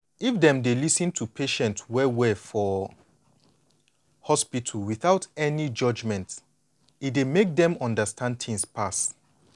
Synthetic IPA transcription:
ifdɛ̃mdelisə̃ntʰupʰeʃɛ̃ntswɛwɛfɔ | hɔspitʰəlwiθaʊtɛnid͡ʒʌd͡ʒmɛ̃nt | itdemek̚dɛ̃mɔ̃ndəstʰãnd̚tʰĩŋspʰas

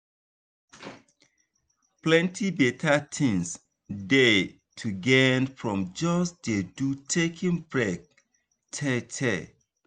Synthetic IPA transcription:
plɛ̃ntʰibɛtʰatʰĩns | de | tʰuɡɛnfɹɔ̃md͡ʒɔsdedutʰekʰĩŋbɹɛk̚ | tʰɛtʰɛ

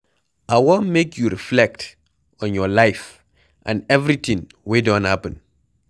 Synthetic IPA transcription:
ʔawɔnmekjuɾiflɛk̚t | ɔ̃njɔlaɪf | ʔã̰nɛvɾit̪ĩŋ | wedɔ̃nhapə̃n

